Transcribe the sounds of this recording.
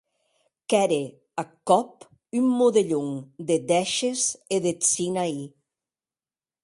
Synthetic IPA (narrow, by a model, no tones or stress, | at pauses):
kɛɾe | akɔp | ymːoðeʎuŋd̪ed̪ɛʃezeðet͡sinai